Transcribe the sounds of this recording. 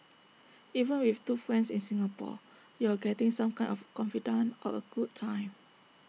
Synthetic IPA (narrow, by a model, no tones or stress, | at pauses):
ʔivə̃nwiftufɹɛ̃nsĩnsĩŋapɔ̰ | juaɡɛtĩŋsãmkãɪj̃nɔfkɔ̃nfidə̃nʔɔəɡ̥ud̚tʰãɪ̃m